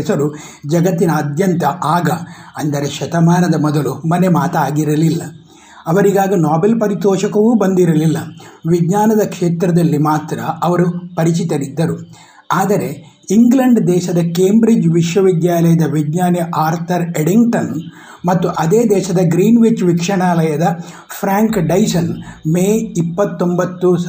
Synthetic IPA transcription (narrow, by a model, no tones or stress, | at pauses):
sɐɾu | d͡ʒɐɡɐt̪ːinɐːd̪ʱjɐnt̪ɐʔaːɡɐɐnd̪ɐɾe̞ʃɐt̪ɐmaːnɐd̪ɐmɔd̪ɐlumɐnemaːt̪ɐaːɡiɾɐlilːɐ | ɐʋɐɾiɡaːɡɐnaːbelpɐɾit̪ɔːʃɐkɐʋuːbɐnd̪iɾɐlilːɐʋidɲaːnɐd̪ɐkʂeːt̪ɾɐd̪ɐlːimaːt̪ɾɐɐʋɐɾupɐɾit͡ʃit̪ɐɾid̪ːɐɾu | aːd̪ɐɾe̞ | iŋɡlɐɳɖd̪ɛːʃɐd̪ɐkeːmbɾid͡ʒʋiʂʋɐʋid̪jaːlɐjɐd̪ɐʋidɲaːnɛʔaːɾt̪ʰɐɾeɽiŋʈɐn | mɐt̪ːuʔɐd̪eːd̪ɛːʃɐd̪ɐɡɾiːnʋit͡ʃʋikʂɐɳaːlɐjɐd̪ɐ | pʰɾaːŋkɖɐjsɐnmeːipːɐt̪ːo̞mbɐt̪ːus